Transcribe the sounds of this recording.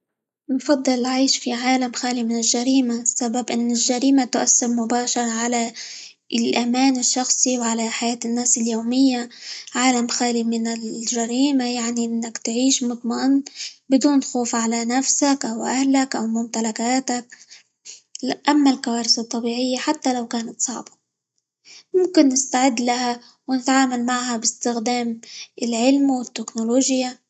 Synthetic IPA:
nfɑd̪ˤːɨlːʕiːʃfiʕaːlamxaːlimɪnɪlʒaɾiːmasːababʔɪnːɪlʒaɾiːmat̪ʊʔasːɪɾmʊbaːʃɑɾˤʕala | lʔamaːnɪʃːɑxsˤiwʕalaħajaːt̪ɪnːaːsɪljoːmɪjːaʕaːlamxaːlimɪnɪlʒaɾiːmajaʕniʔɪnːakt̪ʕiːʃmʊt̪ˤmɑʔnbɪd̪uːnxoːfʕalanafsakʔawʔahlakʔawmʊmt̪alakaːt̪ak̚ | ʔamːalkawaːɾɪsɑt̪ˤːɑbiːʕɪjːaħat̪ːalawkaːnat̪sˤɑ̰ʕbḁ | mʊmkɪnːɪst̪aʕɪd̪ːlaha | wnɪt̪ʕaːmalmaʕhabɪst̪ɪxd̪aːmɪlʕɪlmwɪt̪ːɪknoloːʒja

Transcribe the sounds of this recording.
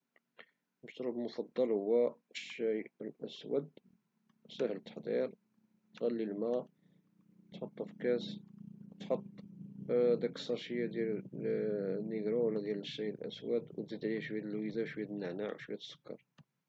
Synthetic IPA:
məʃt̪ɾublmʊfɑd̪ˤːɑlhʊwːæəʃːæjəlʔæ̰swə̰d̪ | səhlət̪ːə̥ħd̪ˤḭɾ | t̪ɣælːilmæ | t̪ħot̪ˤːəfkæst̪ħot̪ˤː | d̪æksɑɾˤʃəjːad̪jæl | nːiɡɾuwlæd̪jæləʃːæjəlʔæ̰swəd̪wət̪zid̪ʕlihæʃwhæt̪əlwizawʃwihæt̪ənːəʕnaʕwʃwihæt̪ə̥sːʊ̥kːɑ̰ɾˤ

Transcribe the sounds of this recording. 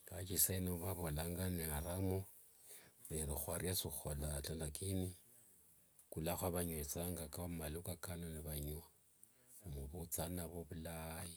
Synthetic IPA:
kat͡ʃisainoβaβolaŋɡaneaɾamo | lerixwarjasixolat͡ɬalakʼini | kulaxwaβaɲwet͡saŋɡakamalukakanonɪβaɲwa | muβut͡sanaβoβulaːji

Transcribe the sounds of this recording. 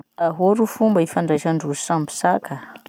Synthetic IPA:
aɦoɾufumbaifaɳɖ͡ʐaʃaɳɖ͡ʐuisambi̥saka

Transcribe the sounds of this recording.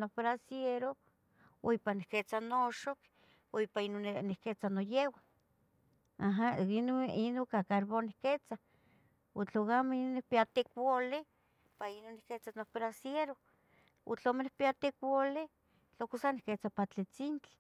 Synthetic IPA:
nobɾasjeɾo | o̰ipanihket͡sanoʃok | oipainonihket͡sanojewa | aɦainoinoŋkakaɾβonihket͡sa | ut͡ɬokameinonikpiat̪ikwole | painonihket͡sanohbɾasjeɾo | ṵt͡ɬomenihpiat̪ikwole | t͡ɬokusanihket͡sapat͡ɬit͡sint͡ɬɪ̥

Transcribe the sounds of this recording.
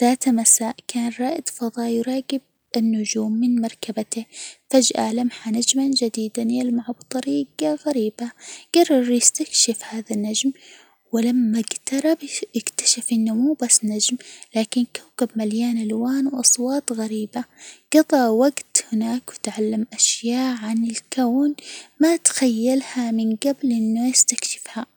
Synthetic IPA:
ðaːt̪masaːʔkaːnɾˤɑːʔɪd̪fɑðˤɑːjʊɾˤɑːɡɪb̚ | ɪnːʊd͡ʒuːmːɪnmɑɾˤkabat̪ɪfad͡ʒʔa̰lamħanad͡ʒmand͡ʒad̪iːd̪analmaʕabt̪ˤɑɾiːɡaɣaɾiːbaɡ̥ɑrˤːɑɾˤjɪst̪akʃafhaːðanːad͡ʒm | wɪlamːaɡt̪ɑɾˤɑbɪkt̪ḁʃafʔɪnːʊmuːbasːnad͡ʒmlaːkɪnkawkabmaljaːnʔalwaːnwʔɑsˤwɑːt̪ˤɣaɾiːbaɡ̥ɑt̪ˤɑʔwaɡt̪hɪnaːkwɪt̪ʕalːamʔaʃjaːʔʕanɪlkaːnmat̪xajːalhamɪnɡablʔɪnːʊjɪst̪akʃɪ̥fha

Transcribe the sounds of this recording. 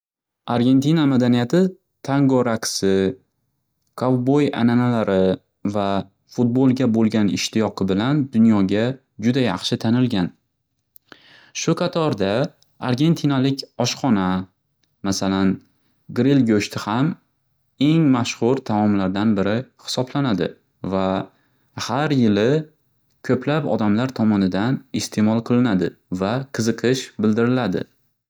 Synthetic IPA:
aɾɡʲe̞nt̪ʰinamad̪anijat̪ʰɪ | t̪ʰaŋɡoɾaksɪ | kʰovbo̞ja̰nanalaɾɪ | va | fut̪̚bolˠɡʲabolˠɡʲanɪ̰ʃt̪ʰɪjɒqʰɨbɪland̪ʊnjɒɡʲa | d͡ʒʊd̪ajɑχʃɪt̪ʰanɪlɡʲan | ʃʊqʰɑt̪ʰɒɾd̪a | aɾɡʲe̞nt̪ʰinalɪkʲɒʃqɒna | masalan | ɡɾilɡoʃt̪ʰɪham | e̞ŋmaʃχʊɾt̪ʰamɒmlaɾd̪anbɪɾɪhɪ̥sɒblanad̪ɪ̰ | va | haɾjɪlɪ | kʲʰɵplapɒ̰d̪amlaɾt̪ʰɒmɒnɪd̪anɪst̪ʰe̞mɒlˠqʰɨlˠɪnad̪ɪvaqʰɨzɨqʰɨʃbɪld̪ɪɾɪlad̪ɪ̰

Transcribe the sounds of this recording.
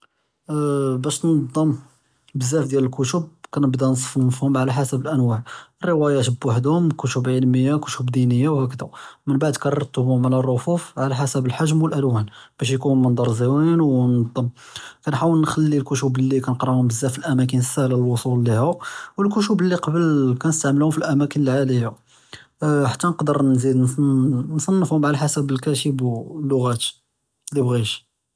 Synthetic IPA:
bæʃnɑd̪ˤːəm | bəzːæfd̪jæləlkʊt̪ʊb̚kænəbd̪æns̬ˤfmfhʊmʕalæħasəbəlʔænwaʕrːəwæjæt̪əbːwaħd̪hʊmkʊʃubʕilməjːakʊʃubd̪inəjːawhækəd̪amənbaʕd̪kɑrˤɑɾt̪ʊbhʊmʕlærˤːofufʕalæħasəbəlħaʒmwəlʔælwænb̥æʃ̬jkumənd̪ˤɑɾˤziwinwnɑd̪ˤːəmkænħawəlnxælːilkʊʃublːikænəqɾˤɑhʊmbəzːæfilʔæmæk̬ənəsːælælwosˤulːihæwəlkʊʃublːiqɑbəlkænəst̪aʕməlhʊmfilʔæmækənəlʕaləja | ħḁt̪ːænəqd̪əɾnzid̪nnsˤɑnːəfhʊmʕalaħasəbəlkæʃəblːʊɣæt̪ | lːibɣiʃ

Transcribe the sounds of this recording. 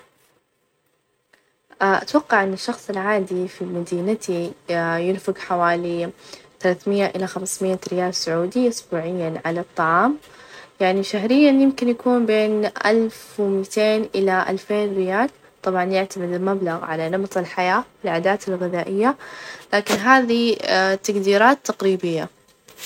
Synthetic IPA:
aʔat̪wɑqːɑʕʔɪnːɪʃːɑxsˤɪlʕaːd̪ifimad̪iːnat̪ijɪnfɪɡħawaːliθalaːθmɪjːaʔɪlaxamsmɪʔaɾɪjaːlsʊʕuːd̪iʔʊsbuːʕɪjːanʕalɑt̪ˤːɑʕɑːm | jaʕniʃaɦɾɪjːanjɪmkɪnjakuːnbeːnʔalfwɪmit̪eːnʔɪlaʔa̰lfeːnɾɪjaːl | t̪ˤɑbʕɑnjɪʕt̪amɪd̪ɪlmablaɣʕa̰lanɨmt̪ˤɪlħajaːwɪlʕaːd̪aːt̪ɪlɣɪðaːʔɪjːalaːkɪnɦaːðit̪aɡd̪iːɾaːt̪ːaqɾiːbɪjːa

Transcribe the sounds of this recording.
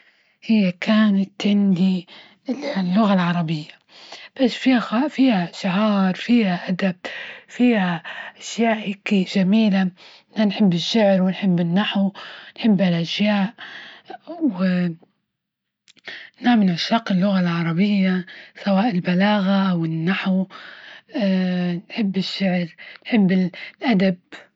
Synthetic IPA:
hɪjːakʰaːnat̪ʕɪnd̪i | lːʊɣalʕɑɾˤɑbɪjːa | b̥asːfiːhaafiːhaʃaɦɑːɾˤfiːhaʔad̪ab̚fiːhaʔaʃjaːʔhikiʒamiːla | ɪnanħɪbːɪʃːʊʕɾwɪnħɪbːɪnːaħwnħɪbːalʔaʃjaːʔ | wɪ | naːmɪnʕaʃaːqɪlːʊɣalʕɑɾˤɑbɪjːasawaːʔɪlbalaːɣaʔawɪnːaħw | nħɪbːɪʃːɪʕɾnħɪbːɪlʔad̪ab̚

